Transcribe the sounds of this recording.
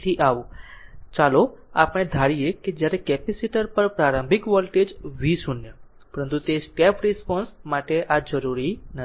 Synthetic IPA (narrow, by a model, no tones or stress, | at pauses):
t̪ʰiʔaʋũt͡ʃaloapəɽ̃ed̪ʱaɽijeked͡ʒjaɾekɛpɛsiʈəɾpəɾpɾaɾə̃mbʱikʋɔlʈed͡ʒʋisunjə | pəɾənt̪ut̪eskɛpɾɛspɔnsmaʈeʔad͡ʒəɾuɾinə